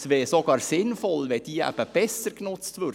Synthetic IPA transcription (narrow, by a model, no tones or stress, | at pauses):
sʋɛːsoɡɑːɾsɪnfɔlʋɛd̥̪iːæ̰b̥əb̥ɛsəɾknʊt͡stʋøɾ